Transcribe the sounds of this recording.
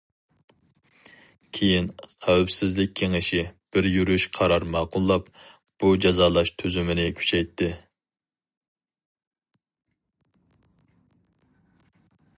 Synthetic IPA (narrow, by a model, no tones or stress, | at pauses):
kʲʰejinqʰæwpsɪzlɪk̚ʲʰːeŋɪʃib̥ɪɾjyɾyʃqʰɑɾɑɾmɑːqʊlˠːɑp | b̥ud͡ʒɑzɑːlˠɑʃt̪ʰøzymɪnɪkʲʰy̥t͡ʃʰɛjt̪ʰːɪ